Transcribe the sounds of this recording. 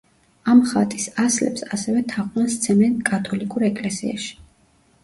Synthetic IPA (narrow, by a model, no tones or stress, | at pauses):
amχat̪ʼisaslɛ̰psasɛvɛt̪ʰaʁnanst̪sʰɛmɛnkʼat̪ʼʰɔlikʼuɾɛkʼlɛsḭa̰ʃi̥